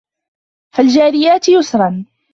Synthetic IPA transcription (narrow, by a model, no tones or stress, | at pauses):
fald͡ʒaːɾɪjaːt̪jʊsɾˤɑn